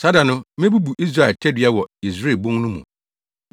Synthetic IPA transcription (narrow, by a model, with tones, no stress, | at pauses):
sa˦da˨nʊ̃˦mɪ̃˦bu˦bu˨ʔi˦s̬ɾa˦˨ɛ˨ltʰɛ˦dɥa˦wɔ˨i˨s̬ɾe˦˨bʊ̃˦ŋnʊ̃˦mṵ̃˨